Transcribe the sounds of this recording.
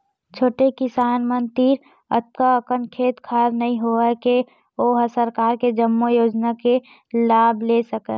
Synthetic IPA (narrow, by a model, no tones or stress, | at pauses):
t͡ʃʰoːʈekɪsaːnmənt̪iːɾ | ə̰t̪̚kaəkənkʰeːt̪kʰaɾnɐɦĩɦoke | oːɦəsəɾkaːɾked͡ʒəmːojoːd͡ʒnake | laːbʱlesəke